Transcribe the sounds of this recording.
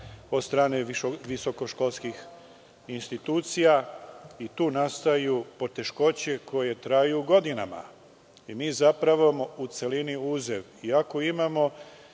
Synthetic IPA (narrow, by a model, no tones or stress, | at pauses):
od̪st̪ɾaːneʋiso̞ko̞ʃko̞lˠskix | inst̪it̪uːt̪sijait̪uːnast̪ajupo̞t̪e̞ʃko̞t͡ɕe̞ko̞je̞t̪ɾajuɡo̞d̪ina̰ma̰ | imiːzapɾaʋomout̪se̞liniuːzeʋ | iako̞imamo̞